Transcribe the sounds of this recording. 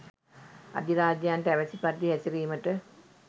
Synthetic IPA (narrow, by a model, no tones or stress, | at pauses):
a̰d̪iɾaːd͡ʒəjanʈəæʋæsipat̪ːiɦæsiɾiːməʈə